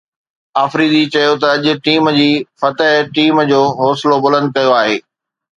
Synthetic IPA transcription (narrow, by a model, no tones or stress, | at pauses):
aːfɾiːd̪it͡ɕɐjot̪ɐɐʄʊ̆ʈiːmd͡ʑiːfɐt̪əɦʈiːmd͡ʑoːɦɔːsɪlobʊlə̃nd̪̚kɐjoaːɦeː